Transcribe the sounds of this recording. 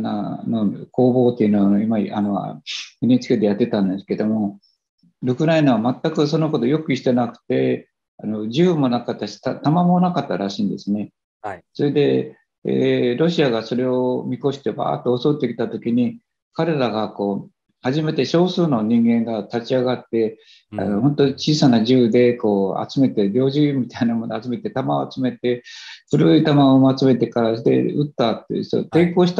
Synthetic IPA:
nanoko̞ːbo̞ːt̪ːe̞iɯnoβanoimaʔa̰noɯnet͡sɨ̥ked̪ejat̪ːe̞t̪ãnd̪e̞sɨ̥ke̞d̪o̞mo̞ | ɾɯkɯ̟ɾainaβamat̪ːakɯ̟s̬o̞no̞ko̞t̪o̞jo̞kɯ̟i̥t̪enakɯ̟̥t̪e̞ | ano̞d͡ʑɨɯmo̞nakat̪ːaɕi̥t̪at̪amamonakat̪ːaɾaɕĩːnd̪e̞sɨne̞ | so̞ɾe̞d̪e̞ | ḛɾo̞ɕiaɡaso̞ɾe̞o̞mʲiko̞ɕi̥t̪e̞ba̰ːt̪ːoːso̞t̪ːe̞kʲi̥t̪at̪o̞kʲiɲ̟i | kaɾe̞ɾaɡako̞ː | haʑime̞t̪e̞ɕo̞ːsɨːno̞ɲ̟ĩŋɡẽ̞ŋɡat̪at͡ɕiaɡat̪ːe̞ | a̰nohõ̞nt̪o̞t͡ɕiːsanaʑɨːd̪e̞ko̞ːa̰t͡sɨme̞t̪e̞ɾʲo̞ːʑimʲit̪ainamo̞noat͡sɨme̞t̪e̞t̪amaat͡sɨme̞t̪e̞ɸɯ̟ɾɯit̪amaomat͡sɨme̞t̪e̞kaɾasod̪ḛɯt̪ːat̪ːḛ̥o̰t̪e̞ko̞ːɕi̥t̪a

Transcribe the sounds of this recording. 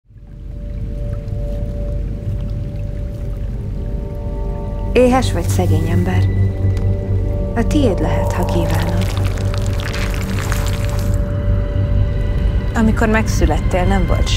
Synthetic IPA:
eːɦɛʃʋɒcsɛɡeːɲɛmbɛr | ɒt̪ieːd̪lɛɦɛt̪hɒkiːvaːnod̪ | ɒmiko̞rmɛksylɛt̪ːeːlnɛɱvo̰lt̪ʃ

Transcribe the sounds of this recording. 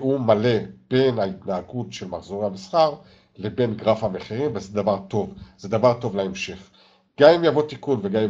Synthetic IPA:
umale̞b̥e̞nait̪naːɡutʃelmaχzo̞ʁehamisχaʁ | le̞be̞nɡʁafhameχiʁimvezed̪avaʁt̪o̞vzed̪avaʁt̪o̞vlaemʃe̞χ | ɡ̥amimjavo̞t̪ikunveɡami

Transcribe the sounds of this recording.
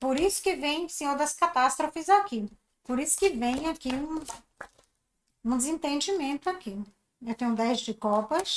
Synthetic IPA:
poɾisʊ̥kɪvẽj̃sẽod̪ɐskat̪ast̪ɾofɪzaki | poɾisʊ̥kɪvẽj̃akiũ | ũd͡ʒ̪ɪzĩnt̪ẽnd͡ʒimẽnt̪ʊaki | ewt̪ẽj̃ũd̪ɛzd͡ʒɪkɔpɐs

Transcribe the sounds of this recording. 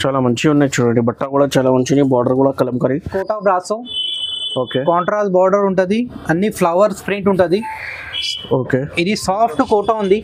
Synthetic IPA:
t͡ʃaːlaːmɐɲt͡ʃiunːet͡ʃuɽɐɳɖibɐʈːakuːɽaːt͡ʃaːlaːmɐɲt͡ʃinibaːɾɖɐɾkuːɽaːkɐlɐmkaːɾikoːʈaːbɾaːsu | oːkeːkaːɳʈɾaːsbaːɾɖɐɾuɳʈɐnd̪iɐnːipʰlɐʋɐɾspɾiɳʈuɳʈund̪i | oːkeːid̪isaːpʰʈkoːʈaːund̪i

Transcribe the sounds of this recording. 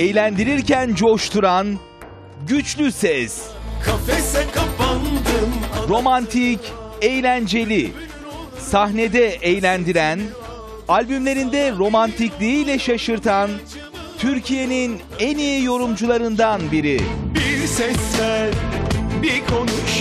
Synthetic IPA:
ejlʲænd̪iɾiɾcænd͡ʒo̞ʃt̪ʰuɾan | ɟyt͡ʃlʲysɛskʰafesɛkʰapand̪ɯmɾo̞mant̪ʰicejlʲænd͡ʒe̞lʲi | saɦne̞d̪ɛʔejlʲænd̪iɾæn | alʲbymlʲeɾind̪ɛɾo̞mant̪ʰiclʲiijlʲɛʃaʃɯɾt̪ʰan | t̪ʰyɾcʰije̞nin | enijijo̞ɾumd͡ʒulˠaɾɯnd̪anbiɾibiɾsɛslæɾbiɾkʰo̞nut͡ʃ

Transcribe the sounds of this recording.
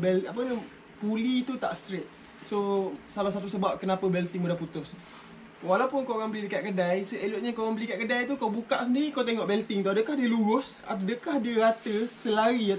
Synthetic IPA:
bɛlapənə | pulit̪ut̪a̰ʔst̪ɾet̪̚ | sosalahsat̪usəbap̚kənapəbɛlt̪ɪŋbudahput̪ʊs | walapʊnkoɾaŋbəlidəkaʔ̪̚kədajsəʔeloʔɲakoɣaŋbəlikaʔ̪̚kədajt̪ukawbukaʔs̬əndiɾikawt̪eŋɔʔbɛlt̪ɪŋt̪uadəkahdiəluɾʊs | a̰dəkahdiəɾat̪əsəlaɾia

